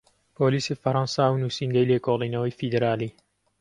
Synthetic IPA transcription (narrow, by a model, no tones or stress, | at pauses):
poːliːsiːfɐɾɑnsaːwnuːsiːŋɡɐjleːkoːlˠiːnɐwɐjfid̪eɾaːliː